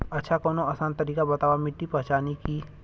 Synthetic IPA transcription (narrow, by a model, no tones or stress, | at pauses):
ɐtːʃʰakoːnõaːsaːnt̪ɐɾiːkabɐt̪aːʋwamɪʈːipɐ̃ɦt͡ʃaːniki